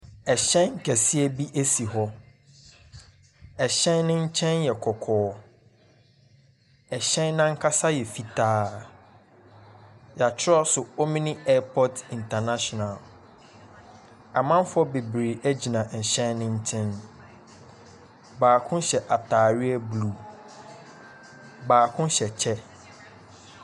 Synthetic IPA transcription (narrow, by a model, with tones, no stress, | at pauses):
ɛ˨ɕɛ̃˦nŋ̩˨kʰɛ˨sɪ˦ɛ˦bi˦ʔæ˦si˨ɦɔ˦ | ɛ˨ɕɛ̃˦nnɪ̃˦ɲ̩˦t͡ɕʰɛ̃˦njɛ˨kʰɔ˨kʰɔː˨˦ | ɛ˨ɕɛ̃˦nːã˦ŋ̩˦kʰa˦sa˦jɛ˨fi˦tʰaː˦ | ja˨t͡ɕʰɪ˦ɔ˦sʊ˨o˦mĩ˦nĩ˦ɛ˦pʰɔ˦tĩ˨ntʰa˨na˦ɕɔ˨na˨l | a˨mã˦mfʊ˦ɔ˦be˨bɾe˨æ˦d͡ʑi˨nã˨ɕɛ̃˦nnɪ̃˦ɲ̩˦tʰɪ̃˦n | baː˨kʰʊ̃˦ɕɛ˨ʔa˨tʰaː˨ɾɪ˦ɛ˦blu˨ | baː˨kʰʊ̃˦ɕɛ˨t͡ɕʰɛ˦